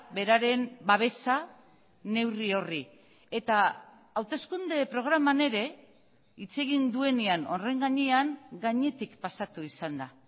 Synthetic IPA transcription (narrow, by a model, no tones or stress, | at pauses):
be̞ɾaɾe̞mbaβ̞e̞sa | ne̞wrio̞ri | e̞t̪aː | wt̪e̞skund̪e̞pɾo̞ɣ̞ɾamane̞ɾe̞ | it͡se̞ɣ̞ind̪ue̞niano̞re̞ŋɡaɲeaŋɡaɲe̞t̪ikpasat̪uisand̪a